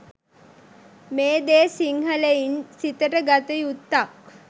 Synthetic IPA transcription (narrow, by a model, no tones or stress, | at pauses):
meːd̪eːsiŋhələinsit̪əʈəɡat̪əjut̪ːak̚